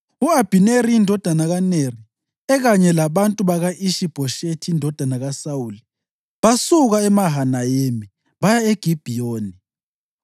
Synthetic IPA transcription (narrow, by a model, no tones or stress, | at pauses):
uab̥ʱineriindʱɔd̥ʱanaɣaneri | ɛɣaɲɛlaβantʼuβaɣaʔiʃib̥ʱɔʃetʰiindʱɔd̥ʱanaɣasauːli | βasuɣaɛmaɦanajemi | βajaeɡ̥ʱib̥ʱijoːni